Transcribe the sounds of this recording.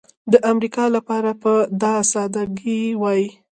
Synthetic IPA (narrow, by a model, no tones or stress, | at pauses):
d̪əʔamɾikɑlapɑɾapəd̪ɑsɑd̪aɡiwɑji